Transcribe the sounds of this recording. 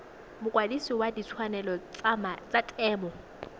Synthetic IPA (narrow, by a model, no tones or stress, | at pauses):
mʊkʼwadisiwadit͡sʰwanɛlɔt͡sʼamat͡sʼatʼɛːmɔ